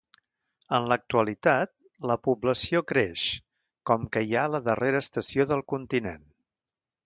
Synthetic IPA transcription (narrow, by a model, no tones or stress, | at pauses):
ənlək̚t̪uəlit̪at̪̚ | ləpubləsiokɾeʃ | kɔmkəjaləðəreɾəːst̪əsioðəlˠkunt̪inḛn